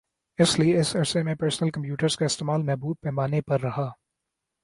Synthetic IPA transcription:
ɪslieɪsɐɾsemẽpeːɾsnəlkɐ̃mpjuːʈəɾz̥kaɪst̪eːmaːlmɛɦbuːb̚pɛːmaːnepɐɾːɐɦaː

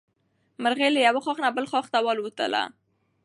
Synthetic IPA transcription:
məɾɣeləjawəxwɑxnabəlxwɑxt̪awɑlwət̪ə̰la̰

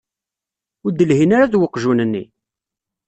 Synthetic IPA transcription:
ʊɾd̪ːəlɦinaɾaðwəqːʒunənːḭ

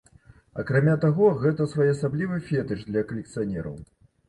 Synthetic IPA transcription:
ɐ̰kɾamʲat̪aɣɔɣɛt̪ɐsvɔjɐsablʲivɨfʲɛt̪ɨt͡ʂd̪lʲɐkɐlʲɛkt̪sɨjanʲɛɾɐ̰w

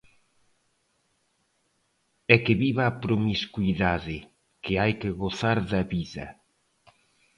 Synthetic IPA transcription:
ɛkɪβiβaːpɾomiskuiðaðɪ | kɪajkɪɣoθaɾðɐβiðɐ̰

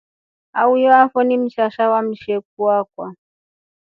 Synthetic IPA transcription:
aujɔafɔnim̩ʃaʃawam̩ʃɛk̚uakwa

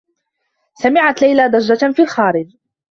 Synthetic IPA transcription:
samɪʕat̪lajlaːd̪ˤɑd͡ʒːafiːlxaːɾɪd͡ʒ

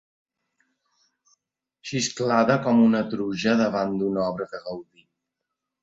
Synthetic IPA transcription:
ʃisklaðəkɔmunət̪ɾuʒəðəβand̪unɔβɾəðəɣəwði

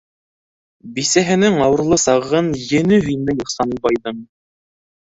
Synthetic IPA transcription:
bisæɦɘ̆nɘŋɑwɤ̆ɾlˠɤsɑʁɤnjɘ̆nɘɦɵjnɘjŏqsɑnɤbɑjðɤm

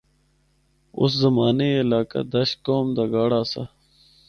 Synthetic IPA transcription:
ʊ̰szɐmaːneɪlaːka̰d̪ɐɕkoːmd̪aɡaːɽaːsa

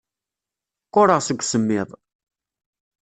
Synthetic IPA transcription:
qːoɾˤəʁsəɡʷsəmːɪðˤ

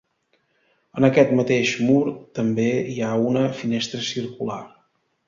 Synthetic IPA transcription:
ənəkɛt̪mət̪eʃmuɾt̪əmbeiaunəfinest̪ɾəsirkula̰r

